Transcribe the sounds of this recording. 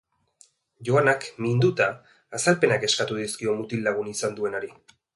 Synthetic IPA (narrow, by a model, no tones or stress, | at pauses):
ʝo̞anakmind̪ut̪aː | salpe̞nake̞skat̪uðiskio̞mut̪ilːaɣ̞unisand̪ue̞naɾi